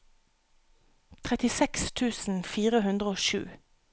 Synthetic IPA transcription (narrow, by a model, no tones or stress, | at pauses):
t̪ʰʁɛt̪ɪsɛkst̪ʰʉːsn̩fiːʁəɦʉnd̪ʁəoːʃʉ̰ː